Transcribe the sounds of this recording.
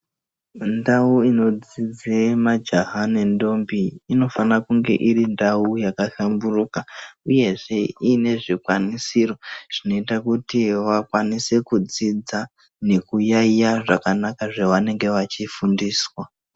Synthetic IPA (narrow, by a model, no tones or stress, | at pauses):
ndauino̞d͡zid͡zemad͡ʒaɦane̞ndo̞mbiːno̞fanakuŋɡe̞̰ʔiɾindaujakaɬamburuːkauje̞ʐe̞ine̞ʐikwanisiro̞ʐ̥ino̞itakutiʋakwanise̞kud͡zid͡za | ne̞kujaijaʐakanakaʐeʋane̞ŋɡe̞ʋat͡ʃifundiːswa